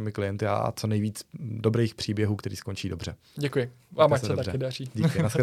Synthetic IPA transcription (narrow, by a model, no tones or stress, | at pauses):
ɪmɪklɪjɛnt̪ɪa̰t͡so̞nɛjviːt͡sdo̞bɾɛjxpr̝̥iːbjɛɦuːkt̪ɛɾiːsko̞nt͡ʃiːdo̞br̝ɛ | ɟɛkʊjɪ | vaːmasssɛt̪akɪdariːɟiːkɪnasɛ